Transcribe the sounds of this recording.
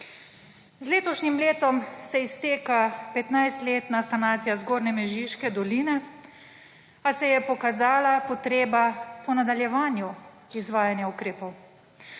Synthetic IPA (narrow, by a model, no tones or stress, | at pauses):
zleːt̪ɔʃnimleːt̪ɔmsɛist̪eːkapɛt̪najst̪leːt̪nasanaːt̪sijazɡoːɾnɛmɛʒiʃkɛd̪ɔliːnɛ | asɛjɛpɔkazaːlapɔt̪ɾeːbapɔnad̪aljɛʋaːnju | izʋaːjanjaukɾeːpɔw